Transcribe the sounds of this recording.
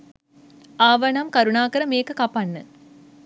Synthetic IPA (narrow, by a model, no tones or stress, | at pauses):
aʋɐnɐmkɐɾuɳaːkɐɾɐmeːkːɯkɐpːɐnːɨ̰